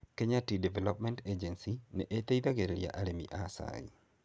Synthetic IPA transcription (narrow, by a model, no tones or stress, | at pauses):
keɲatidɛvɛlɔp̚mɛnted͡ʒɛnsinɛʔet̪eid̪aɡeɾelja̰ʔaɾemḭʔasa̰